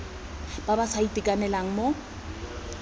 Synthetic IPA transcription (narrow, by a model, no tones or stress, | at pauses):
b̥abasaitʼikʼanɛlaŋ̩mo